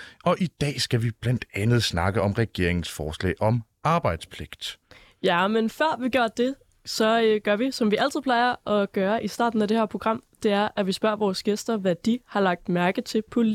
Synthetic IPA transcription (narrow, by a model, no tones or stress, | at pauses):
ɒ̽ʔid̥ɛ̰ːsɡ̥æʋib̥læn̰d̥ænð̞̩ˠsnɑ̈ɡ̥əɒ̽mʁɛɡ̥e̝ɐ̰eŋn̩sfɒːslɛ̰ːʔɒ̽m | ɑ̈ːb̥ɑ̈ɪd̥spʰle̝ɡ̥d̥ | jæmenfɶɐ̰ʋiɡ̥joɐ̰d̥e̝ | sɒ̽øɡ̥ɶɐ̰ʋisɒ̽mʋiæl̰t͡sʰiðˠpʰlɑ̈ɪɐʔɒ̽ɡ̥ɶːɐʔisd̥ɑ̰̈ːd̥n̩æd̥ehæɐ̰pʰʁo̝ɡ̥ʁɑ̈m̰d̥e̝æɐʔæʋisb̥ɶɐ̰ʋɒːsɡ̥esd̥ɐʋæd̥ihɑ̈lɑ̈ɡ̥̚d̥mæɐɡ̥ət͡sʰe̝pʰo̝l